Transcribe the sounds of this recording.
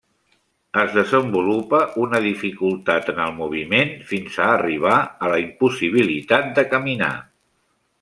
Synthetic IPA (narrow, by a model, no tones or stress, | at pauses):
əzðəzəmbulupəʔunəðifikulˠt̪at̪ənəlˠmuβ̞imenfinzaːriβ̞aələimpusiβ̞ilit̪at̪̚d̪əkəmina̰